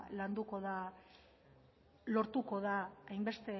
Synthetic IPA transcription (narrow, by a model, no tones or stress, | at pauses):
land̪uko̞ða | lo̞ɾt̪uko̞ðaajmbe̞st̪e̞